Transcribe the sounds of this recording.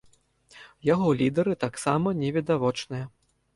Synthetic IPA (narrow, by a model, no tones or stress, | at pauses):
jaɣɔlʲid̪ɐɾɨt̪aksamɐnʲɛvʲid̪avɔt͡ʂnɨjɐ